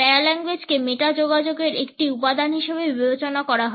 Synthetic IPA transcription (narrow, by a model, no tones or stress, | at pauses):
ɛalɛŋɡwed͡ʑkemeʈad͡ʑoɡad͡ʑoɡeɾek̚ʈiupad̪ʱanɦiʃebebibet͡ɕonakɔɾaɦo